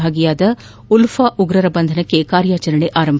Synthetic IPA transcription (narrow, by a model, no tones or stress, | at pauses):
aːɡijaːd̪ɐ | ulfaːʔuɡɾɐɾɐbɐnd̪ʱɐnɐkːekaːɾjaːt͡ʃɐɾɐɳeʔaːɾɐmbʱ